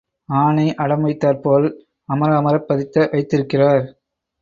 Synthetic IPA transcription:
aːnɐɪʔɐɽɐmɐɪt̪ːaːɾpoːl | ɐmɐɾɐːmɐɾɐpːɐðɪt̪ːɐʋɐɪt̪ːɪɾɯkːɪraːɾ

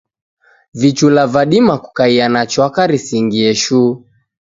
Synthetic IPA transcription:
vit͡ʃulavaɗimaku̥kaianat͡ʃwakaɾisiŋɡiɛʃuː

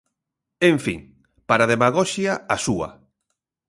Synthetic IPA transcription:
eɱfḭŋ | paɾaðemaɣɔʃjɐasuɐ̰

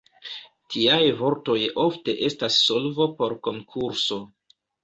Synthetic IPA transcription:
tʰiajvo̞ɾto̞jo̞fte̞ʔe̞stasːo̞lvo̞po̞ɾko̞ŋkʰuɾso̞

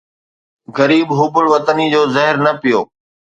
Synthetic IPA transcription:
ɣɐɾiːbɦʊbʊɭʋɐt̪ənid͡ʑoːzɐɦɪɾnɐpijoː

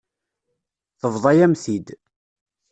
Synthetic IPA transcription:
θəvðˤɑjæmθid̪

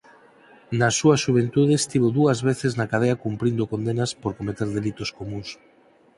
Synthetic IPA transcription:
nasːuɐsʃuβ̞ent̪uð̞est̪iβoðuɐzβeθeznakað̞eakumpɾind̪okond̪enaspoɾkomet̪eɾðelit̪oskomũŋs

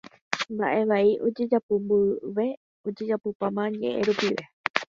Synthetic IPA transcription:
mba̰ʔe̞ʋaiʔod͡ʒe̞d͡ʒapombɨʋe̞ | od͡ʒe̞d͡ʒapopamãɲḛ̃ʔeɾupiɾe̞

